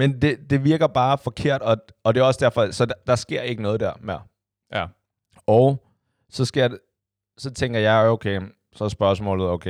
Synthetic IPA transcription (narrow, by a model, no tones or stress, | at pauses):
mend̥e̝d̥e̝ʋiɐɡ̥ɐb̥ɑ̈ːfɒ̽kʰe̝ɐ̰d̥ɒ̽ | ɒ̽d̥e̝æɒ̽sd̥æɐfɒ̽sɒ̽d̥ɑ̈sɡ̥e̝ɐ̰e̝ɡ̥ənɔ̽ːð̞̩ˠd̥æɐ̰meɐ̰ | ɒʊ | sɒ̽sɡ̥ḛj | sɒ̽t͡sʰeŋ̰ɡ̥ɐjɑ̈ɪoʊkʰe | sɒsb̥ɶɐsmɔ̰̽ːlð̩ˠoʊkʰe